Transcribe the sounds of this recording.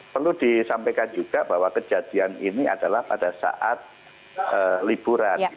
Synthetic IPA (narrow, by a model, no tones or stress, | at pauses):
pərludisampajkand͡ʒuɡ̥ab̥awakəd͡ʒad̥ianinia̰d̥alahpadasa̰ʔat̪̚ | əlib̥uɾann